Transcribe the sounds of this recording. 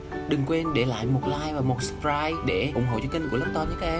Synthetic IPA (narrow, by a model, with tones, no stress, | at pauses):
ɗɨ˨˩ŋkwe˧nɗe˧˩la̰ː˧˨jmo˨˩t̚laː˧jvaː˨˩mo˨˩t̚spɾaː˧jɗe˧˩ʔʊ˧˩˦ŋ͡mɦo̰˧˨t͡ɕɔ˧ki˧ŋ̟ku˧˩ələ˦˥p̚t̪ɔː˧nɲɨ˨˦˥kːʔ